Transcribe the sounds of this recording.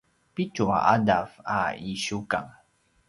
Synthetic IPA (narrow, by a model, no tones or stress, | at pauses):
pit͡ʃʊŋa̰dafa̰iʃuka̰ŋ